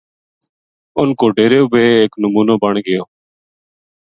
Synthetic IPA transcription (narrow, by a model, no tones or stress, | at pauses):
ʊnkoːɖeːɾeːʊbeːeːknəmuːnoːbəɳɡɪjoː